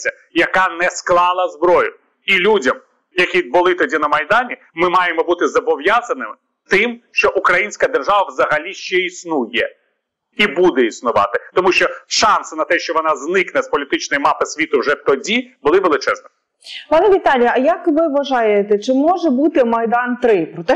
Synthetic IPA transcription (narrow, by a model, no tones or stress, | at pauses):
sʲɐ | jɐkɑnɛsklˠɑlˠɐzbɾɔjʊ | ilʲudʲɐm | jɐkʲid̪̚bʊlˠɪt̪ɔdʲinɐmɐjd̪ɑnʲi | mɪmɑjemɔbut̪ɪzɐbɔʋjɑzɐnɪmɪ | t̪ɪmʃt͡ʃɔʔukɾɐjinʲsʲkɐd̪erʒɑʋɐʋzɐɦɐlʲiʃt͡ʃɛisnujɛ | ibud̪ɛisnʊʋɑ̰t̪ɪt̪ɔmuʃt͡ʃɔʃɑnsɪnɐt̪ɛʃt͡ʃɔʋɔnɑznɪknɛspɔlʲit̪ɪt͡ʃnɔjimɑpɪsʲʋʲit̪ʊwʒɛt̪ɔdʲibʊlˠɪʋelˠɪt͡ʃɛznɔ | pɑnɛʋʲit̪ɑlʲijɐɐjɐkʋɪʋɐʒɑjet̪ɛt͡ʃɪmɔʒɛbut̪ɪmɐjd̪ɑnt̪ɾɪpɾɔt̪ɛ